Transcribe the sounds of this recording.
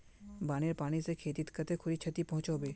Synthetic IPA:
baːneɾpaːɽ̃isekʰeːt̪ɪt̪kət̪ekʰʊlit͡ʃʰɐt̪ipɐ̃ɦʊ̃t͡ʃoːbeː

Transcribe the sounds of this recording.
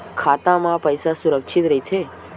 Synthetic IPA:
kʰat̪amãpəjsasuɾəkʃʰit̪ɾəɦit͡ʃʰe

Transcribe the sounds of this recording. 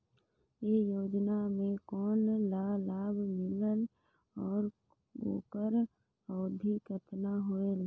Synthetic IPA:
jeːjoːd͡ʒnamẽkɔːnlaːlaːbʱmɪlən | ɔːɾ | ɡo̰ːkəɾ | ɔːd̪ʱikət̪naɦoel

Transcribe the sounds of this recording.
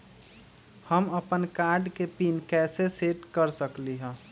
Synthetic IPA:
həməpənkaɾɖkepiːnkɛːseseʈkəɾsəkliɦɛ̃

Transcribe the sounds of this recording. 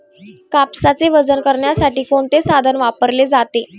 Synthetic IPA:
kapsat͡seʋəd͡zənkəɾɳjasaʈiːkoɳt̪esad̪ʱənʋapəɾled͡zat̪e

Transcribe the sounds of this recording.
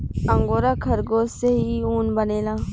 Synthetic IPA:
əŋɡoːɾaːkʰəɾɡoːsseɦiuːnbəneːlaː

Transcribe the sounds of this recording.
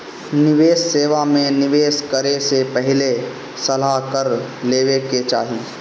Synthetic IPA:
nɪʋeːsːeːʋamẽnɪʋeːskəɾesepɛɦɪle | sɐlakəɾleːʋeket͡ʃa̰ːɦi

